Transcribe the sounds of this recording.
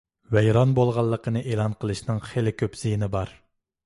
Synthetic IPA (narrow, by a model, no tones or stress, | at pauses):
vɛjɾɑnbolˠʁɑlˠːəqʰənɨʔeːlˠɑnqʰəlˠɨʃnɨŋχelɪkʲʰøpz̥ijnɪbɑɾ